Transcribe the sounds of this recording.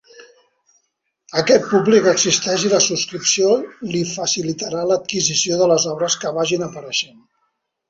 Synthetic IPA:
əkɛt̪̚publikəɡzist̪ɛʃiləsuskɾipsiolifəsilit̪əɾalət̪̚kizisioðələzɔβɾəskəβaʒinəpəɾəʃen

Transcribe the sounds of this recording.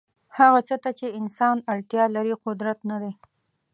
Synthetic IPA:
haɣat͡sət̪at͡ʃeɪnsɑnaɽt̪jɑlaɾiqʊd̪ɾat̪nad̪e

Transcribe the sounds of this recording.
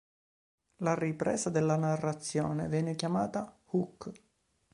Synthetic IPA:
laripɾɛ̰ːzad̪elːanarːat̪sːjɔ̰ːnḛvjɛːnekjamaːt̪ahukː

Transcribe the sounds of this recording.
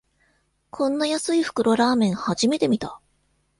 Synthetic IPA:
kʰõ̞nːajasɨiɸɯ̥kɯ̟ɾo̞ɾaːmẽ̞ɰ̃haʑime̞t̪e̞mʲit̪a

